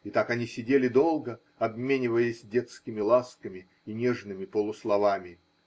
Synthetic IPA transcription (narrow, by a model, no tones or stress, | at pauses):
it̪akɐnʲisʲɪdʲelʲɪd̪o̞lˠɡə | ɐbmʲenʲɪvəjɪsʲdʲe̞t̪skʲɪmʲɪlˠaskəmʲɪːnʲeʐnɨmʲɪpəlˠʊslˠɐvamʲɪ